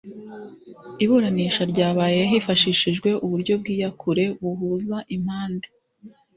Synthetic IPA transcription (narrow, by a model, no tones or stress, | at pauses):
iβuɾaniʃaɾɟaːβaːjeɦifaʃiʃiʒɡwe̞ʔuβuɾɟo̞b̚ɡiːjakʰuɾe̞βuɦuːzaʔim̥haːnde